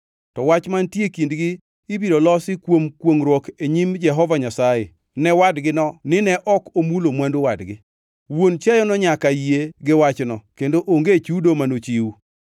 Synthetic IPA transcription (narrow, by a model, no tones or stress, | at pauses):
tɔwat͡ʃmantjekindɡɪː | biɾolɔsɪkwomkwoŋɾwɔkeɲimd͡ʒɛɦɔvaɲasajḛ | nɛwadɡɪnɔnɪnɛʔɔkomulomwandowadɡɪ | wont͡ʃɛjɔnɔɲakajeɡɪwat͡ʃnɔkendoʔoŋɡet͡ʃudomanot͡ʃiwu